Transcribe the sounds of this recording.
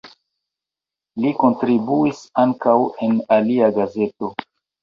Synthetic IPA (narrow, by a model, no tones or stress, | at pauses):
liko̞ntɾibuisaŋkawe̞naliaɡaze̞to̞